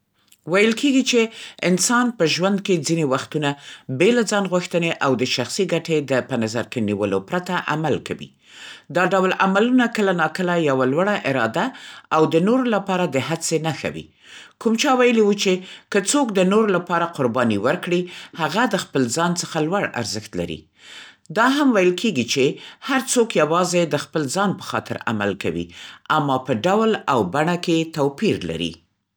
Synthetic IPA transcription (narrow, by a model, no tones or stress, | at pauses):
wajəlkeɡit͡ʃeɪnsɑnpəʒwand̪ked͡zinewaxt̪unabelad͡zɑnɣuxt̪əneʔawd̪əʃaxsiɡaʈed̪əpənazaɾkenḭwəlo̰pɾat̪aʔamalka̰wḭ | d̪ɑɖawlamalunakəlanɑkəlajawalwəɽaʔɪɾɑd̪aawd̪ənoɾolapɑɾad̪əɦat͡senaxa̰wḭ | kumt͡ʃɑwajəliwut͡ʃekət͡sokd̪ənoɾolapɑɾaqʊɾbɑniwəɾkɽihaɣad̪əxpəlzɑnt͡səxalwaɽa̰ɾzəxt̪la̰ɾḭ | d̪ɑɦamwajəlkʰeɡit͡ʃehaɾt͡sokjawɑzed̪əxpəlzɑnpə̥xɑt̪ɪ̰ɾa̰ma̰lka̰wḭʔamːɑpəɖawlawbaɳaket̪awpiɾla̰ɾḭ